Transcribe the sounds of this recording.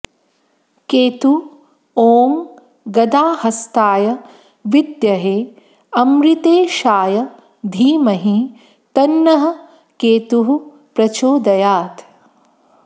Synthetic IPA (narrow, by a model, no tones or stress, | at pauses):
keːt̪u | oːŋ | ɡɐd̪aːhɐst̪aːjɐ | ʋid̪jɐɦeː | ɐmɾit̪eːʃaːjɐ | d̪ʱiːmɐɦi | t̪ɐnːɐɦɐ̆ | keːt̪uɦu | pɾɐt͡ʃoːd̪ɐjaːt̪